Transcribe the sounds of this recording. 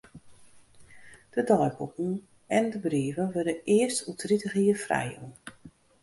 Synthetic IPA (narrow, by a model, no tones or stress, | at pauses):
d̥ədɔjbukŋ̩ | ɛndəbriːəvənʋødəʔɪəstʰutritəɣiːəfrɛ̰ju